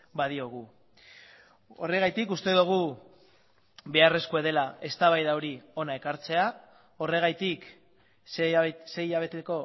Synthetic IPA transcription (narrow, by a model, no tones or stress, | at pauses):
baðio̞ɣ̞u | o̞re̞ɣajt̪ikust̪e̞ðuɣ̞u | βe̞are̞skue̞ð̞e̞laʔe̞st̪aβajðawɾio̞nae̞kaɾt͡se̞a | o̞re̞ɣ̞ajt̪ik | se̞jaβ̞e̞t̪eko̞